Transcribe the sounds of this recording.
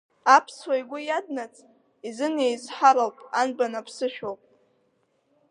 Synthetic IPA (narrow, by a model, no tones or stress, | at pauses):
apʰswajɡʷʊjad̚nat͡sʼ | izɨnejzħaɾalpʼanbanapʰsɨʃᶣowpʼ